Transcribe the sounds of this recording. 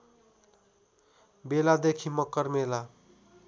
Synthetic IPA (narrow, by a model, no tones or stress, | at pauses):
belad̪ekʰimʌkːʌrmela